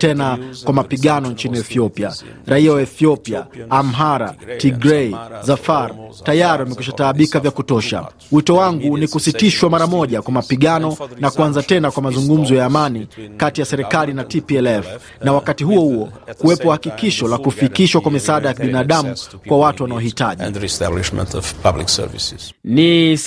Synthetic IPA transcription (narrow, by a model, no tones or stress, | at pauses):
tɛnakwamapiɠanɔnt͡ʃiniɛθiɔpia̰ | ɾaiawaɛθiɔpia̰ːm̩ɦaɾa̰tiɡɾɛizafaɾtajaɾiwamɛkwiʃataːɓikavjakutɔʃa̰ | witɔwaŋɡunikusitiʃwamaɾamɔʄakwamapiɠanɔnakuanzatɛnakwamazuŋɡum̩zɔjaːmanikatijasɛɾɛkalinatipiɛlɛf | nawakatiɦuɔhuɔkuwɛpɔhakikiʃɔlakufikiʃwakwamisaaːɗajakiɓinaːɗamukwawatuwanaɔhitaʄĩndɹista̰bliʃmə̰̃ntʰɔ̰v̥pʰa̰blḭksɛ̰ɾvḭsz̥ni